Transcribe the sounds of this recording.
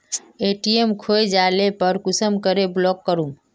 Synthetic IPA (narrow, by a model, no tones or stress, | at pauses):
eʈiemkʰoed͡ʒaːlepəɾkʊsəmkəɾeblɔːkːəɾum